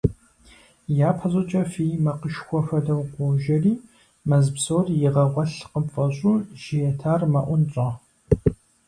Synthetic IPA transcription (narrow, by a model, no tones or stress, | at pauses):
jaːpʰɐɕʼɐt͡ʃʼɐfijmɐqəʃxʷɔfɐdɐwqʷɔʒɐriː | mɐzpsoːrjɪʁɐʁʷɐɬqəpfʼɐɕʼuːʒ̥ijɛtʰaːrmɐʔʷʊnɕʼɐ